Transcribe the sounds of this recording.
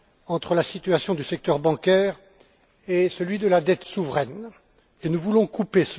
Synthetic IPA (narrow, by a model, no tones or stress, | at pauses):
ɑ̃t̪χəlasit̪yasjɔ̃d̪ysɛk̚t̪œʁbɑ̃kʲɛːʁ | esəlɥid̪əlad̪ɛt̪suvʁɛn | enuvulɔ̃kupes